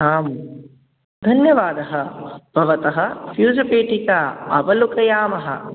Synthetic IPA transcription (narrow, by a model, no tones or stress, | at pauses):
aːm | d̪ʱɐnjɐʋaːd̪ɐɦɐb̥ʱɐʋɐt̪ɐɦɐfjuːd͡ʒɐpeːʈikaɐʋɐlukɐjaːmɐɦɐ̰